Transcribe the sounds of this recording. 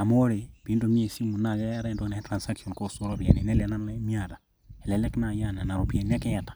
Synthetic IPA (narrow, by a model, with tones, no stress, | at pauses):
a˨mo˦ɾe˨pi˦ndo˨ɲe˦˨si˦mu˨na˨ɡa˦ja˦ɾɛ˦ndo˦nɛ˨˦tɾa˨nsa˦kɔ˨nko˦˨so˦ɾo˦bi˨ɛ̰˨ni˨nɛ˦lɛ˨na˦nlɛ˦mi˦a˨da˨ | ɛ˨lɛ˨lɛ˦kna˨ja˦˨na˨na˨ɾo˨pjɛ˨na˦kɛ˦ja˨tḁ˨